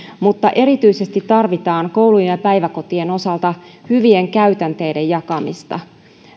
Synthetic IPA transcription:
mut̪ːɑʔe̞ɾit̪yjse̞st̪it̪ːɑrʋit̪ɑːŋko̞wlujejɑpæjʋæko̞t̪ie̞no̞sɑlt̪ɑhyʋie̞ŋkæyt̪ænt̪e̞jde̞jɑkɑmḭst̪ɑ̰

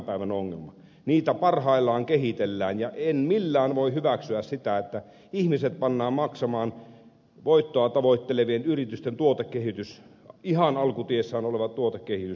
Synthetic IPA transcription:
pæˑiʋænoŋːḛlmɑ | niːt̪æpɑrhɑˑilːɑːŋkehit̪elːæːnjɑʔenmilːæːnʋoihyʋæksyæssit̪æet̪ːæ | ihmiset̪̚pɑnːɑːmmɑksɑmɑːn | ʋoit̪ːoɑt̪ɑʋoit̪ːeleʋienyrit̪yst̪ent̪uot̪ekːehit̪ys | ihɑnɑlkut̪iesːæːnoleʋɑt̪t̪uot̪ekkːehit̪ys

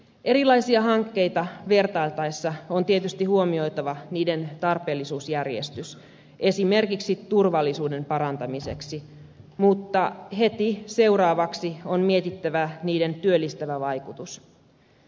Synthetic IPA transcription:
ʔe̞ɾilɑisiɑɦɑŋkːe̞jt̪ɑʋe̞rt̪ɑilt̪ɑesːɑont̪iet̪yst̪ihuomio̞jt̪ɑʋɑniːde̞nt̪ɑrpe̞ːlːisuːsjærjḛst̪ys | ʔe̞sime̞rkiksit̪urʋɑlːisuːde̞mpɑɾɑnt̪ɑmise̞̰ksi | mut̪ːɑɦe̞t̪ise̞urɑːʋɑksionmiet̪it̪ːæʋæniːde̞nt̪yølːist̪æʋæʋɑjkut̪us

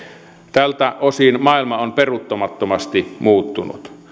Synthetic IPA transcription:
t̪ælt̪æʔosinmɑˑilmɑonperut̪ːomɑt̪ːomɑst̪imuːt̪ːunṵt̪

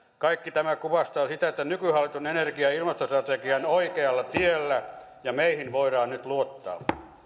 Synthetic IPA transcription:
kɑikːit̪æmækuʋɑst̪ɑosit̪æet̪ːænykyhɑlːit̪unenerkiɑilmɑst̪ost̪rɑt̪ekiɑnoikeɑlːɑt̪ielːæ | jɑmeihinʋoiɾɑːnnyt̪luot̪ːɑ̰ː

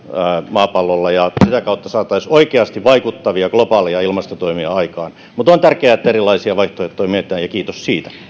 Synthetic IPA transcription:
æmɑːpɑlːolːɑjɑsit̪ækɑut̪ːɑsɑːt̪ːˑɑisoikeɑst̪iʋʋɑikut̪ːɑʋiɑɡ̥lopɑːliɑilmɑst̪ot̪oimiɑɑikɑːn | mut̪ont̪ærkeæet̪ːæerilːˑɑisiɑʋɑiht̪ojɑt̪ːoimiet̪ːˑæːjjɑkiːt̪ossiːt̪æ̥

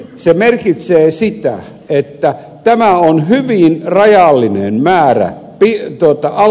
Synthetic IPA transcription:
semerkit̪seːsit̪æ̰ | et̪ːæ | t̪æmæonhyʋinrɑjɑlːinḛnmæːræ̰ | pit̪uot̪ɑʔɑ

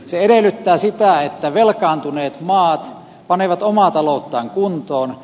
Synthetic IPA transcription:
seeɾelːˑyt̪ːæːsit̪æet̪ːæʋelkɑːnt̪uneːt̪mɑːt̪ | pɑneˑʋɑt̪omɑˑt̪ɑloˑut̪ːɑːŋkunt̪oːn

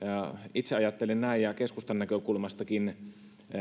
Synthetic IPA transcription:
ɑit̪seɑjɑt̪ːelennæijjɑkeskust̪ɑnːækøkulmɑst̪ɑkin

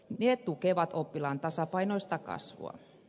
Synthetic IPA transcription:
neːt̪ukeʋɑt̪opːilɑnt̪ɑsɑpɑinoist̪ɑkɑ̰sʋo̰ɑ̰

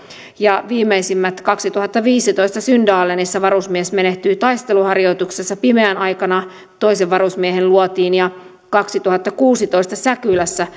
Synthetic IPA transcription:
jɑʋiːmeisimːæt̪kɑksit̪uhɑt̪ːɑʋiːsit̪o̞ist̪ɑsyndɑːlenisːæʋɑɾusmiesme̞ne̞ht̪yːt̪ɑist̪e̞luhɑrjo̞jt̪uksesːɑpimeænʔɑjkɑnɑ | t̪oiseʋʋɑrusmiehenluot̪iːnjɑ | kɑksit̪uhɑt̪ːɑkuːsit̪o̞ist̪ɑsækylæsːæ

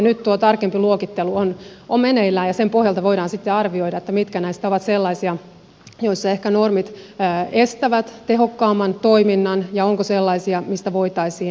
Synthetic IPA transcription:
nyt̪t̪uot̪ɑrkempiluokit̪ːeluonʔommeneilːæːjɑsempohjɑlt̪ɑʋoiɾɑːnsit̪ːeɑrʋioiɾɑet̪ːæmit̪kænæist̪æoʋɑt̪selːɑisiɑ | joisːɑehkænormit̪ːest̪æʋæt̪t̪eɦokːɑːmːɑnt̪oiminːɑnjɑoŋkoselːɑisiɑmist̪æʋoit̪ɑisiː

